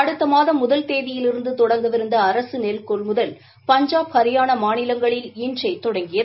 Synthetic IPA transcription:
ɐɽɯt̪ːɐmaːðɐmʊðɐlt̪eːðɪjɪlɪɾɯnd̪ɯt̪ɔɽɐŋɡɐʋɪɾɯnd̪ɐːɾɐsɯnelkɔlmʊðɐl | pɐɲd͡ʒaːphɐɾɪjaːnɐmaːnɪlɐŋɡɐɭɪlindrɐɪt̪ːɔɽɐŋɡɪjɐðɯ

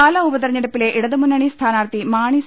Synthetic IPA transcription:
aːlɐubɐðɐrɲːɐɽɐpːileʔiɽɐðɨmunːɐɳist̪ʰaːnaːrt̪imaːɳi

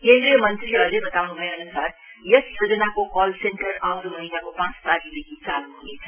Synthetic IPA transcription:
kẽːnd̪ɾijəmənt̪ɾileɐd͡zebɐt̪aunubʱɐjeɦɐnusaːɾ | jʌsjoːd͡ʒənakokɔːlsẽɳʈəɾãwɾmɐɦinakopãːt͡st̪aɾilekit͡saluɦunet͡sʰʌ̥

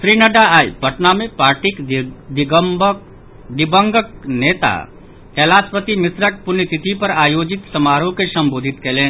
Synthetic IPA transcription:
sɾiːnɐɖaaːjpɐʈnamẽpaːɾʈikd̪ɪɡ | d̪ɪbə̃ŋɡəkneːt̪a̰ | kɛːlaːspət̪imɪsɾək̚pʊnjt̪ɪt̪ʰipɐɾaːjoːd͡ʒɪt̪sɐmaːɾõkesɐ̃mboːd̪ʱɪt̪keːleːn

